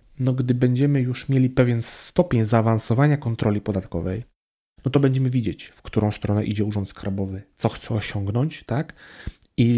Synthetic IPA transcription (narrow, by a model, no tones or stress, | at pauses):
nɔɡd̪ɘbɛɲd͡ʑɛmɘjuʂmʲjelʲipɛvʲjɛnst̪ɔpʲeɲzaːvansɔvaɲakɔnt̪ɾɔlʲipɔd̪at̪kɔ̰vɛ̰j | nɔt̪ɔbɛɲd͡ʑɛmɘvʲid͡ʑet͡ɕfkt̪uɾɔ̃w̃st̪ɾɔnɛʔid͡ʑɛuʐɔnt̪skaɾbɔvɘt̪sɔxt̪sɛɔɕɔŋɡnɔɲt͡ɕt̪ak | i